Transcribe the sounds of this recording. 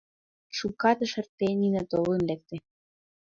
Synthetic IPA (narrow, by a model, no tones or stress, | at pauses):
ʃukɑt̪ə̆ʃə̆rt̪eninɑt̪olunlek̚t̪ĕ